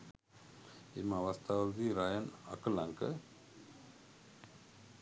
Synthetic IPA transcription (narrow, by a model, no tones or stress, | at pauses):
emɐʋɐst̪ʰaːʋɾt̪iɾajɐnɐ̰kəlɐŋkə